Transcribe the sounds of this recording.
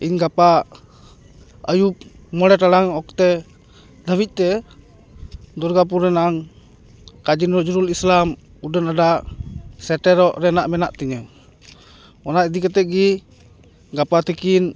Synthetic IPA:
iɲɡapa | əjup̚ | mɔɽɛʈaɽaŋɔk̚t̪ɛ | d̪əbic̪̚ˀt̪ɛ | d̪ɔɾɡap̬uɾɾɛnaʔaŋ | kad͡ʒinɾɔd͡ʒuɾulislam | udənaɖa | sɛʈɛɾɔʔɾɛnaʔmɛnaʔt̪iɲə | ɔnaid̪ikət̪ɛt̪̚ˀɡi | ɡapat̪ikin

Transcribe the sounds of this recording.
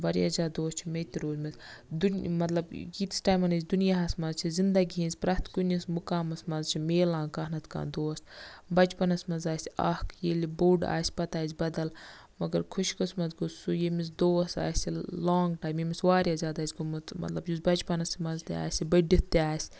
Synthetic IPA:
ʋɐɾiazʲaːd̪oːst͡ʃʰimet̪iɾoːzmizd̪umɐt̪lɐbɡiːt̪i̥sʈaːjmɐnɐsʲd̪unijaɦɐsmɐzt͡ʃʰizind̪ɐɡiɦĩnzʲpɾɐt̪kunismukaːmɐsmɐzt͡ʃʰimeːlãːŋkɐɦnɐt̪ʰka̰ːnd̪oːst̪bɐt͡ʃpɐnɐsmɐzaːsʲɐ̰hkjelibuɖa̰ːsʲpɐt̪aːizʲbɐd̪ɐl | mɐɡɐɾkʰuʃkɐsmɐzɡusujemisd̪oːsa̰ːsiloːŋɡʈaːjmjemisʋaːɾiɐzʲaːd̪aːsʲkummɐ̰t̪lɐbjusbɐt͡ʃpɐnɐsmɐzt̪ia̰ːsibɐɖit̪̚t̪ːiaːsʲ

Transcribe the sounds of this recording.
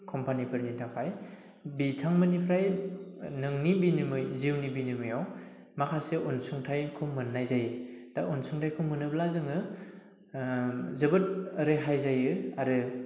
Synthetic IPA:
kʰɔmpanipʰɯɾnitʰakʰaj | bitʰaŋmɯnipʰɾaj | nɯŋnibinimɯjziwnibinimɯjaw | makʰaseʔonsuŋtʰajkʰɯwmɯnːajzajɯd̥aʔonsuŋtʰajkʰɯwmɯnɯblazɯŋɯ | zɐbɯt̚ɯɾeɦajzajɯaɾɯ

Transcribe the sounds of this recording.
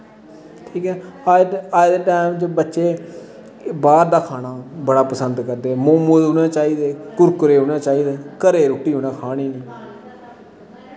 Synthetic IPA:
ʈʰiːkɛː | aːd͡ʒd̪eːʈaːɪmt͡ʃbətːʃeː | baːɾd̪aːkʰaːɽaːbəɽaːpəsənd̪kəɾd̪eːmoːmud̪oːnãːt͡ʃaːiːd̪eːkʊɾkʊɾeːɦõːnãːt͡ʃaːiːd̪eːkəɾeːɾoːʈːiːɦoːnaːkʰaːɽ̃iːneː

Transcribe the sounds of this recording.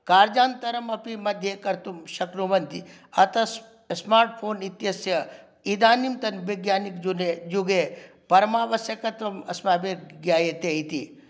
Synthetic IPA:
kaːɾd͡ʒaːnt̪ɐɾɐmɐpimɐd̪ʱjekɐɾt̪umʃɐkɾumɐnt̪i | ɐt̪ɐs | smaːɾʈ̚pʰoːnit̪jɐsjɐ | id̪aːnimt̪ɐnʋeɡjaːnikd͡ʒuned͡ʒuɡe | pɐɾɐmaːʋɐsjɐkɐɾt̪ɐmɐsmaːbeɡjaːjet̪eit̪i

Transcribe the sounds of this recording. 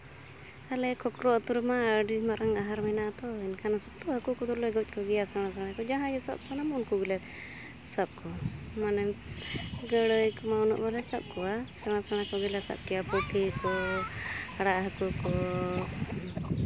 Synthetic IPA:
alɛkʰɔkɾɔt̪uɾmaːɖimaɾaŋaɦaɾminaʔt̪ɔinkʰanɔsɔb̚t̪uɦəkukɔt̪ɔlɔjɡɔwc̚ˀkɔɡɛjasaɽ̃asaɽ̃akɔd͡ʒaɦãjɛsɔ̰b̚sanamunkɔɡilɛ | sab̚kɔmanɛ | ɡəɽəjkɔmaunɔ̰ʔbalɛsap̚kɔasaɽ̃asaɽ̃akɔɡilasa̰b̚kijapɔt̪ʰikɔ | aɽaʔɦəkukɔ

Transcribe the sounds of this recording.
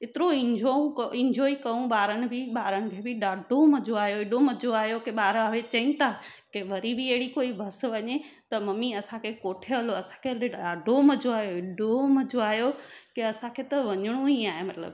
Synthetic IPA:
ɪt̪ɪɾoɪ̃ɲd͡ʑoũkɪ̃ɲd͡ʑʱɔːikɐũɓaːɾənɪ̆bɪɓaːɾənɪ̆kʰebɪɗaːɖʱomɐd͡ʑoaːjoɪɗomɐd͡ʑoaːjokeɓaːɾaʋet͡ɕɐĩnt̪ʰakeʋɐɾibɪɐɦɪɽikoːibʱɐsʋɐɲet̪ɐmɐmiɐsãkʰekoːʈʰeɦɐloɐsãkʰeeaːɖʱomɐd͡ʑoaːɦjoɪɗomɐd͡ʑoaːɦjokeɐsãkʰet̪ɐʋɐɲɪɽ̃ũiaːɦemɐt̪lə̰b

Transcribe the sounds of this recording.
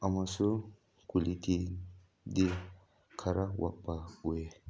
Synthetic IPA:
amasu | kulit̪ʰi | d̪i | kʰaɾawa̰baue

